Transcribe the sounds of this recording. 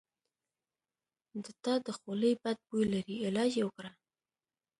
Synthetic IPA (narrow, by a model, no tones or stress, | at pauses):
d̪ət̪ɑd̪əxoləjbad̪̚bojlaɾiɪlɑd͡ʒjewəkɽa